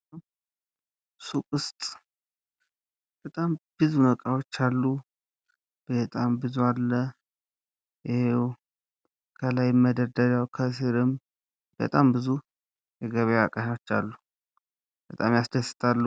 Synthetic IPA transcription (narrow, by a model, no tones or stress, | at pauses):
sukʼɨst̪ʼ | b̥ət̪ʼamb̥ɨzuməkʼawot͡ʃːalːu | b̥ət̪ʼambɨzualːə | jɪhew | kʰəlajmːəd̪əd̪əd̪awkʰəs̬ɨɾɨm | b̥ə̰t̪ʼambɨzu | jɛɡəβeakʼəʃawot͡ʃːalːu | b̥ət̪ʼamjasd̪əsːɨt̪ʼalːu